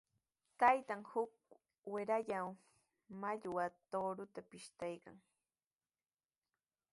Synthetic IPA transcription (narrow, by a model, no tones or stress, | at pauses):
t̪ajt̪aŋhʊk̚ | wɪɾaʎaw | maʎwat̪oɾʊt̪apɪʃt̪ajka̰ŋ